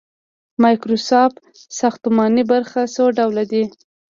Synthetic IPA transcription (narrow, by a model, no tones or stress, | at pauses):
mɑjkɾosɑf | saxt̪ʊmɑnibaɾxasoɖawlad̪i